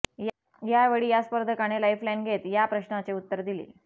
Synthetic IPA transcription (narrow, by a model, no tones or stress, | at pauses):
j | jaʋeɽiːjaspəɾd̪ʱəkaɽ̃elajflajnɡʱet̪japɾəɕnat͡seut̪ːəɾd̪ilḭː